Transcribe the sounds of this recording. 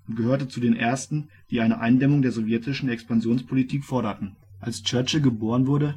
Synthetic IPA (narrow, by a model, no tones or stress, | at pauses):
ʊntɡ̥əɦøːɐtət͡sudeːnʔeːɐstn̩ | d̥iːʔaɪnəʔa̰ɪndɛmʊŋdeːɐzovjɛtɪʃn̩ɛkspanzjoːnspʰolitʰiːkfɔɐɾɐtn̩ʔalst͡ʃœɐt͡ʃəɡəboːʁənvʊɐɾə